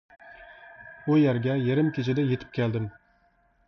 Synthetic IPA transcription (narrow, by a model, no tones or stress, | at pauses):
ujæɾɡʲɛjeɾɪmkʲʰet͡ʃʰɪd̪ɛjet̪ʰɪ̥p̚kʲʰælˠd̪ɪm